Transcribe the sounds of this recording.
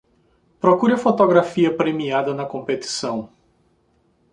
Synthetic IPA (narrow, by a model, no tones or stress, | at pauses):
pɾokuɾɐfot̪oɡɾafiɐpɾemiad̪ɐnɐkõmpet̪i̥sɐ̃w̃